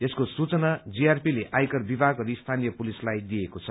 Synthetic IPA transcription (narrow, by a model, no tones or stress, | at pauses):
eskosut͡sʌnad͡ziarpileʔajkʌrbibʱaɡɡʌɾist̪ʰanijʌpulislajd̪iekot͡sʰʌ